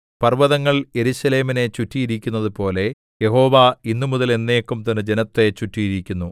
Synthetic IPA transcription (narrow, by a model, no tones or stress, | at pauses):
pɐrʋɐðɐŋːɐɭje̞ɾuɕɐle̞ːmine̞t͡ɕutːijiɾikʲːunːɐðupo̞ːle̞ | je̞ho̞ːʋainːumuðɐle̞nːe̞ːkːumt̪ɐnːɨd͡ʑe̞nɐt̪ːe̞t͡ɕutːijiɾikʲːunːu